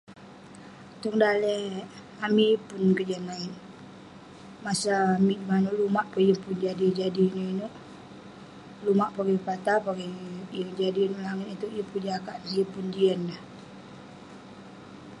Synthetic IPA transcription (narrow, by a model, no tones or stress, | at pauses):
t̪uŋdalɛ | amipunkəd͡ʒanːain | masamiʔmanuʔlumaʔpəjəpʊnd͡ʒadid͡ʒadinuinuʔ | lumaʔpaɡipat̪apaɡijəŋd͡ʒadinuʔlaŋit̪it̪uʔjəpud͡ʒakaʔsiəpundiənlah